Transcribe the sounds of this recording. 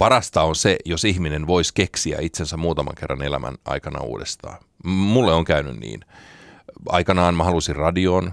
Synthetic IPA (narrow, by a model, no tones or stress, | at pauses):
pɑɾɑst̪ɑonsejosihminenʋoiskeksiæ̰it̪sensæmuːt̪ɑmɑ̰ŋkerːɑ̰nelæmʔæ̰nɑ̰ikɑnɑ̰ṵːdest̪ɑ̰ː | mulːeoŋkæyny̰nnḭːn | ɑ̰ikɑnɑːnmɑɦɑlusirrɑdioːn